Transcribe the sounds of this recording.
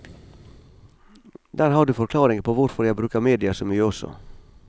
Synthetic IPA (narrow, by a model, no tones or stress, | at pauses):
d̪æːɾhɑːɖʉːfɔɾkʰlɑːɾɪŋəpʰoːʋʊɾfɔɾjæɪbɾʉːkəmeːd̪ɪɑsomyːəɔsɔ̰